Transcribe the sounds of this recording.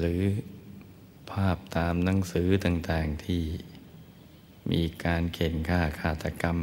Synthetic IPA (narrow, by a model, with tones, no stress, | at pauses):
ɾɯː˩˦ | pʰaː˥˩p̚t̪aː˧mna˩˦˥ŋsɯː˩˦˥t̪aː˨˩ŋt̪aː˨˩ŋt̪ʰiː˥˩ | mʔiː˧kaː˧nkʰe˨˩˦nkʰaː˧˥˩kʰaː˧˩t̪a˧ka˧m